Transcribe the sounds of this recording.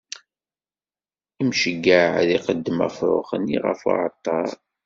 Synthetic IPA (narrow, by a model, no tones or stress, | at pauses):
imʃəɡːaʕðiqəd̪ːəmæ̰fɾˤʊ̰χənːiʁə̰fa̰ʕət̪ˤːɑɾˤ